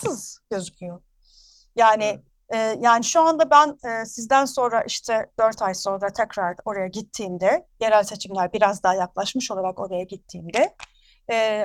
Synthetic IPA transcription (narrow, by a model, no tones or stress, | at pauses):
ɯz̥ɟ̥ø̞zycʲʰyjo | jaːnɪ | ɛːjaːniʃuand̪abænɛːsizd̪ænso̞nɾaʔiʃt̪ʰɛd̪̥øɾt̪ʰajso̞nɾat̪ʰɛcɾaɾo̞ɾajaɟit̪ʰːiːmd̪ɛje̞ɾælʲse̞t͡ʃʰimlʲæɾbiɾazd̪aːjaklˠaʃmɯʃo̞lˠaɾako̞ɾajaɟit̪ʰːiːmd̪ɛ | ɛː